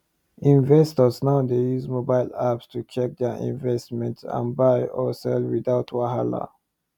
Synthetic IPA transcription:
ĩnvɛstəsnaʊdejuzmobaɪlapstʰut͡ʃʰɛk̚d̪ɛʔḭ̃nvɛstmɛ̃ntsã̰nbaɪɔsɛlwidaʊtʰwaɦala̰

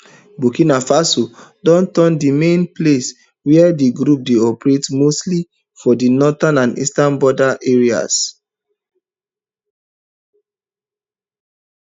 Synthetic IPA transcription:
bukĩnafasodɔ̃ntɔndimẽnples | wɛɛdiɡɾup̚deɔpɹetmostli | fɔdinɔtãnãnḭstãnbɔdaʔeɹia̰s

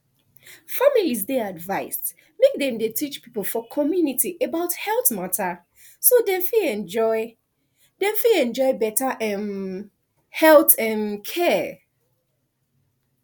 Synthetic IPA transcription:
familiz̬dɛadvaɪst | mek̚dɛ̃mdetʰit͡ʃpipəlˠfɔkʰɔmjunitiʔebaʊthɛlˠtmatʰa | sodɛ̃fiɛ̃nd͡ʒɔɪ | dɛ̃ɱfilɛ̃nd͡ʒɔɪbɛtaʔɛ̃n | hɛlˠtɛ̃nkʰɛ

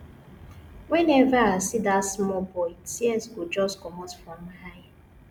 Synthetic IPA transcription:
wɛnɛvaasidatsmɔbɔɪtʰiɛzɡod͡ʒɔskɔmɔtfɹɔ̃mhaja

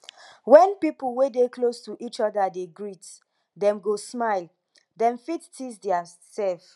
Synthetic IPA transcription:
wɛ̃npipulwedeklostuʔit͡ʃɔdadeɡɹit | dɛ̃mɡosmaɪl | dɛ̃mfittisdɛa | sɛlf

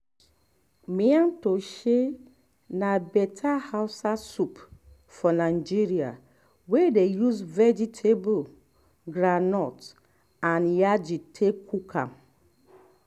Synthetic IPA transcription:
miantoʃe | nabɛtʰahaʊsasup | fɔnad͡ʒiɾia̰ | wedejuzvɛd͡ʒitʰebo | ɡɾanɔt | anjad͡ʒitʰekʰukʰa̰m

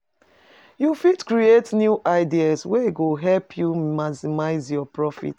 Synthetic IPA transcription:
jufitkɹietnjuʔaɪdiaswɛɡoɦɛlpʰjumasimaɪzjɔpɹɔfḭt

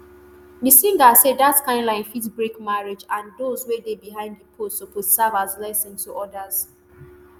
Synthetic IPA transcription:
misĩŋɡasedatkãɪ̃ndlãɪ̃nfitbɹikmaɹed͡ʒãndozwedebiɦãɪ̃ndipʰosoposavazlasĩntʰuʔɔdaz̥

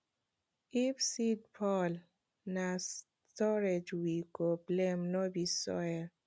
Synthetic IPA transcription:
ifsid̚pʰɔl | nas | tɔɾed͡ʒwikoblemnɔbisɔ̰jɛ

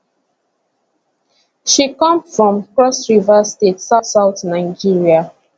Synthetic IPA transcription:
ʃikɔ̃mfɹɔ̃mkɹɔsɹivastetsasaʊθnaɪd͡ʒiɹia

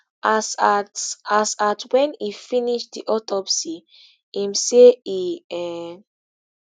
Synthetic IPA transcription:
asatasatwɛ̃nifiniʃdiʔɔtɔpsi | imseiɛ

